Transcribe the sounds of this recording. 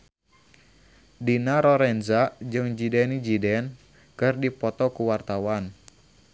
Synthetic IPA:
dinaɾɔɾɛnzad͡ʒɨŋd͡ʒidɛnid͡ʒidɛn | kɨrdipɔt̪ɔkuwart̪awan

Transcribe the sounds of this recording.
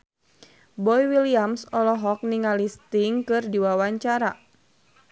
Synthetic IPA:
bɔjwiliamsɔlɔɦɔk̚niŋalist̪iŋkɨrdiwawaɲt͡ʃaɾa

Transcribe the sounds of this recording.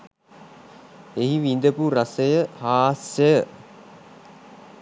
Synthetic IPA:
eɦiʋind̪əpuɾasəjəhaːsəjə

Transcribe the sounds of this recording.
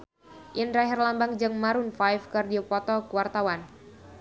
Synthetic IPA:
ʔinɾaɦirlambaŋd͡ʒɨŋmaɾunfajfkɨrdiɔpɔt̪ɔkuwart̪awan

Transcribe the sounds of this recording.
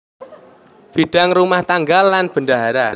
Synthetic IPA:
b̥iɖ̥a̤ŋrumaht̪aŋɡalːanb̥əndaɦaɾa

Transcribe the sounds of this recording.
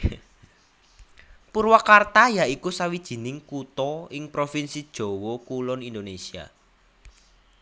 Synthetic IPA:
puɾwakart̪ajaikusawid̥ʒ̥i̤nɪŋkut̪ɔɪŋpɾofinsid̥ʒ̥o̤wɔkulɔnind̪onesia̰

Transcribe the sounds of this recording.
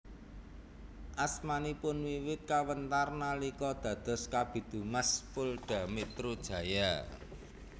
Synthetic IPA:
ʔasmanipʊnwiwɪt̪̚kawənt̪arnalikɔd̪̥ä̤d̪̥ɔ̤skab̥i̤d̪̥ṳməspʊlɖ̥a̤mit̪ɾud̥ʒ̥ä̤ja

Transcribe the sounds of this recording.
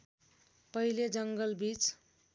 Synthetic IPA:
pʌɦiled͡zʌŋɡʌlbit͡s

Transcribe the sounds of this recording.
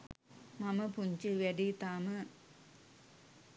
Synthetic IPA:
mɐmɐpuɲt͡ɕɨʋeɖit̪aːmɐ

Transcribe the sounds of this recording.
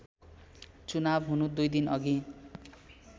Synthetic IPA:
t͡sunabɦunud̪ujd̪inʌɡi

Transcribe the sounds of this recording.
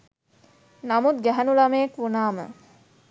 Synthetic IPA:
namut̪ɡæɦænulameekʋunaːmə̰

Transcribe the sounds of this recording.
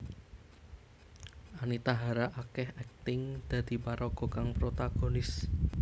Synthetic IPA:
anit̪aɦaɾaʔakɛhɛk̚t̪ɪŋd̪̥ä̤d̪̥i̤paɾɔɡ̥ɔ̤kaŋpɾot̪aɡ̥o̤nɪs

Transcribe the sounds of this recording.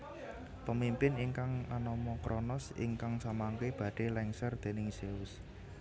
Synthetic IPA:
pəmimpɪniŋkaŋanɔmɔkɾʔɔnɔsḭŋkaŋsamaŋkeb̥ä̤ɖ̥e̤lɛŋsərd̪̥e̤nɪŋseʊs

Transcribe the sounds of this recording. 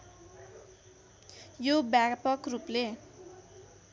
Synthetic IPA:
jobakpʌkruple

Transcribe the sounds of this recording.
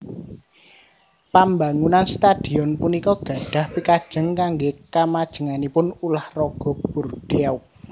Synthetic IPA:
pambaŋunanst̪ad̥i̤ɔnpunikɔɡ̥ä̤ɖ̥a̤hpikad̥ʒ̥ə̤ŋkaŋɡekamad̥ʒ̥ə̤ŋanipʊnulahrɔɡ̥ɔ̤b̥urd̥ea

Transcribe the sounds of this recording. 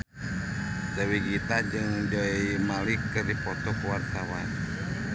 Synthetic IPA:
dəwiɡit̪ad͡ʒɨŋd͡ʒɔimalikːərdipɔt̪ɔkwart̪awan

